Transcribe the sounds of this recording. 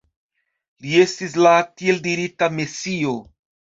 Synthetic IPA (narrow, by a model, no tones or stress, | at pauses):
lie̞stis̬latie̞ldiɾitamesio̞